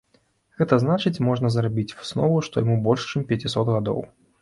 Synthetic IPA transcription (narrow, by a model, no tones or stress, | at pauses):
ɣɛt̪ɐznat͡ʂɨt͡sʲmɔʐnɐzɾabʲit͡sʲsnɔvuʂt̪ɔjamubɔlʲʂt͡ʂɨmpʲjɐt͡sʲisɔt̪ɣad̪ɔ̰w